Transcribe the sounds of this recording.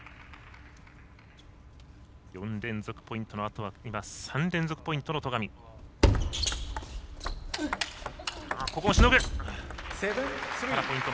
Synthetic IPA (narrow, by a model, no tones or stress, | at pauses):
jõ̞nd̪ẽ̞nd͡zo̞kɯ̟̥po̞ĩnt̪o̞noat̪o̞β̞aimasãnɾẽ̞nd͡zo̞kɯ̟̥po̞ĩnt̪o̞not̪o̞ɡamʲi | ako̞komoɕinoke | seaɾapo̞ĩnt̪o